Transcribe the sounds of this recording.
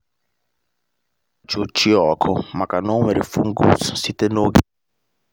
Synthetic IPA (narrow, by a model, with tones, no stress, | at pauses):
t͡ʃo˨t͡ʃi˦ɔ˨kʰʊ˦˨ma˨ka˨no˦me˨ɾi˨fu˦ŋ̩˦ɡo˦ssi˦te˦no˦ɡi˨